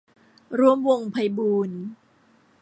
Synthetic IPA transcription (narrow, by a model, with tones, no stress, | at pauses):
ɾu˧əmwo˧ŋpʰa˧jbuː˧n